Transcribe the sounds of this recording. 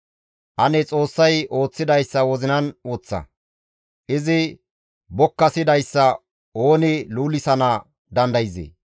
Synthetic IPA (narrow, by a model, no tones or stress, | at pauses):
ʔɐnɛt͡sʼo̞ːsːɐjo̞ːt͡sːɪd̪ɐjsːɐwɔzɪnɐnɔːt͡sːɐ̰ | ʔɪzɪ | bɔkːɐsɪd̪ɐjsːɐ | o̞ːnɪluːlɪsɐnɐ | d̪ɐnd̪ɐjzḛː